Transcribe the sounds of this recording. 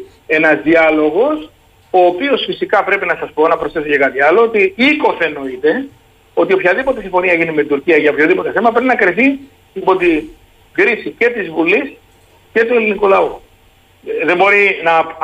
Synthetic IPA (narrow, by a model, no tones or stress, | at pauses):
e̞nɐzðiɐlo̞ɣo̞s | o̞ːpio̞sfisikɐpɾe̞pinɐsɐspo̞nɐpɾosθe̞socekɐt̪iɐlo̞ot̪iiko̞θe̞no̞it̪e̞ | o̞t̪io̞pçɐðipo̞t̪esiɱfo̞niɐʝinimeit̪uɾciɐʝɐopçoðipo̞t̪e̞θe̞mɐpɾe̞pinɐkɾiθi | ipo̞t̪i | ɡɾisice̞t̪izvulis | ce̞t̪ue̞linikulɐu | ðembo̞ɾinɐ